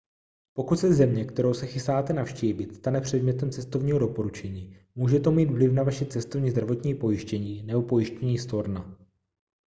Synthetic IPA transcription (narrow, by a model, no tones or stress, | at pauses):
po̞kut̪sɛzɛmɲɛkt̪ɛɾo̞wsɛxɪst̪aːt̪ɛnafʃciːvɪt̪st̪anɛpr̝̥ɛdmɲɛt̪ɛmt͡sɛst̪o̞vɲiːɦo̞do̞po̞ɾut͡ʃɛɲiː | muːʒɛt̪o̞miːd̪vlɪfnavaʃɛt͡sɛst̪ovɲiːzd̪ɾavo̞t̪ɲiːpo̞jɪʃcɛɲiːnɛbo̞po̞jɪʃcɛɲiːst̪o̞ɾna